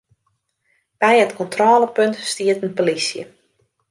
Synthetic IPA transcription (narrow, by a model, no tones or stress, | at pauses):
b̥ɛjətkɔntroːləpøntstiətənpolisjə̰